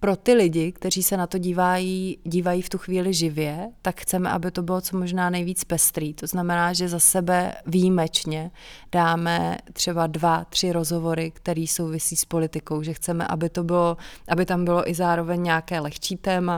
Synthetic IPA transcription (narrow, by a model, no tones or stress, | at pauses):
pɾo̞t̪ɪlɪɟɪkt̪ɛriːsɛnat̪o̞ɟiːvajiːɟiːvajiːft̪uxviːlɪʒɪvjɛt̪akxt͡sɛmɛ̰ʔa̰bɪt̪o̞bɪlo̞t͡so̞mo̞ʒnaːnɛjviːt͡spɛst̪ɾiːt̪o̞znamɛnaːʒɛzasɛbɛvijimɛt͡ʃɲɛd̥aːmɛ̰t̪r̥ɛbadvat̪r̝̥ɪɾo̞zɦo̞vo̞ɾɪkt̪ɛɾiːso̞wvɪsiːspo̞lɪt̪ɪko̞wʒɛxt͡sɛmɛ̰ʔa̰bɪt̪obɪloʔabɪt̪ambɪlo̞ʔɪzaːɾo̞vɛɲɲɛakɛːlɛxt͡ʃiːt̪ɛːma